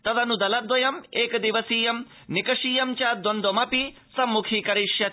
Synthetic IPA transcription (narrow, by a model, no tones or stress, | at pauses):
t̪ɐd̪ɐnud̪ɐlɐd̪ʋɐjɐmeːkɐd̪iʋɐsiːjɐm | nikɐʂiːjɐmt͡ʃaːd̪ond̪omɐpi | sɐmːukʰiːkɐɾiʃjɐ